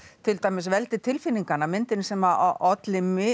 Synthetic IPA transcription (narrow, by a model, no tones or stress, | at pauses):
t̪ʰɪlt̪aːjmɛsvɛlt̪ɪt̪ʰɪlfɪnːiŋkanːamɪnt̪ɪnsɛma̰ʔɔt̪lɪmɪ